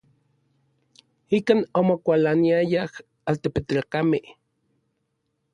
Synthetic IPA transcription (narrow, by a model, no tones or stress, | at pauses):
ikanomokʷalaniajah | alt̪epet̪lakameh